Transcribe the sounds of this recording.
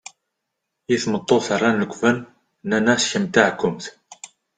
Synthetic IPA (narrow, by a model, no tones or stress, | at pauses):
jiθmət̪ˤːoθərˤːɑnləkʷːvən | nːænæsçəmt̪aʕkːʊmθ